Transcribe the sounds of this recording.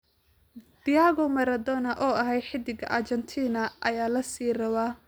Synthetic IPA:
d̪̥ɪjaːɣɔmɐɾɐd̪ɔnɐʔɔːɐɦɛjħɪd̪ɪɣɐ̰ʔɐt͡ʃɐnt̪ʰiːnɐʔɐjaːlɐsiːrɐwaː

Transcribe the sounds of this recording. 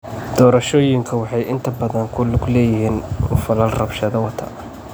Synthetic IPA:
d̪̥ɔːɾɐʃɔːjɪŋkʰɐwɑħɑjʔɪnt̪ʰɐbɐðɐŋkʰʊlʊɡlɛːjɪɦiːnʊ̰fɐlɐlrɐbʃɐðɐwɐt̪ʰɐ̰

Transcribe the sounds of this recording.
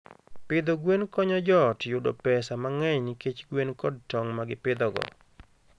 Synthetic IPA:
pɪd̪oɡwenkɔɲɔd͡ʒɔtjʊdɔ̰pɛsamaŋɛɲket͡ʃɡwenkɔdtɔŋmaɡɪpɪd̪ɔɡɔ̰

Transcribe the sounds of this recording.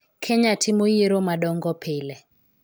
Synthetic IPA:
kʰɛɲatʰimojiɾomaɗɔŋɡɔpʰelɛ

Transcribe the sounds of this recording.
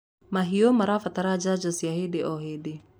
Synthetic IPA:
maɦiomaɾafat̪aɾad͡ʒad͡ʒasiahedeʔɔɦede

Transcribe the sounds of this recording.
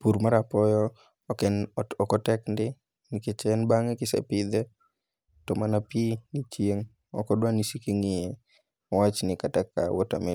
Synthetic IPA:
puɾmaɾapɔjɔ | kɛnɔkɔtɛkndɪ | niket͡ʃɛnbaŋekɪsɛ̰pɪd̪ɛ | tɔmanapiɡit͡ʃjeŋ | ɔ̰kɔdwanisikeŋɪe | ɔwat͡ʃnɪkataka̰wota̰mɪ

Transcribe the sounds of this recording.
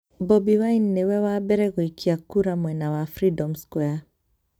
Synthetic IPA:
bɔbiwajnːewɛwabɛɾɛɣoikiakuɾamwɛnawafɾidɔmskwɛa

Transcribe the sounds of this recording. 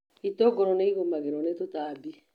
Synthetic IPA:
itoɡɔɾɔneiɣomaɣeɾɔnetotabi

